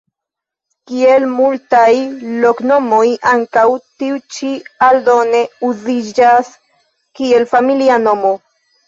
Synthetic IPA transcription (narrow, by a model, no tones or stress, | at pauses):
kie̞lmultajlo̞kno̞mo̞jʔaŋkawt̪iut͡ʃiald̪o̞ne̞uzid͡ʒas | kie̞lfamiliano̞mo